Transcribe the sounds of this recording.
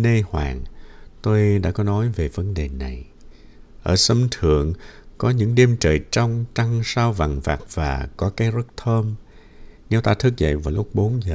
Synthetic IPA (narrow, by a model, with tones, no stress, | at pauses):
ne˧hwa̰ː˧˩ŋt̪o˧jɗa̰ː˧˥kɔ˨˦nɔ˨˦jve˨˩və˨˦nɗe˨˩na˨˩j | ʔəː˧˩sə˧mt̪ʰɨ̰˧˨əŋkɔ˨˦ɲɨ̰˧˥ŋɗi˧mt͡ɕəː˨˩jt͡ɕa˧wŋ͡mt͡ɕa˧ŋsaː˧wva̰˨˩ŋva̰ː˨˩k̚v̥aː˨˩kɔ˨˦kaː˨˦jzə˦˥t̚t̪ʰəː˧m | nɛ˧wt̪aː˧t̪ʰɨ˦˥k̚zə̰˧˨jvaː˨˩wlʊ˦˥k͡p̚ɓo˨˦nzəː˨˩